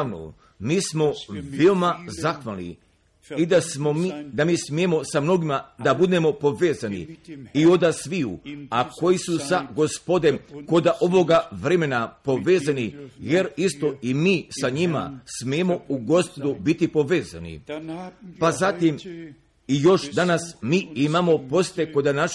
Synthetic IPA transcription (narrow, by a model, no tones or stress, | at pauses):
ʋno̰ | miːsmo̞ʋeomazaxʋalnḭ | id̪asod̪amiːsmiemo̞samno̞ɡimad̪abud̪e̞mo̞po̞ʋe̞ːzanḭio̞d̪asʋiṵako̞jisusaɡo̞spo̞d̪e̞mko̞d̪aʔo̞ʋo̞ɡaʋɾe̞me̞napo̞ʋeːzanije̞ɾist̪o̞imiːsaɲima̰smiemo̞uɡo̞spo̞d̪ubit̪ipo̞ʋe̞ːza̰nḭ | pazat̪im | ijo̞ʃd̪anasmiːimamo̞po̞st̪eko̞d̪anaʃ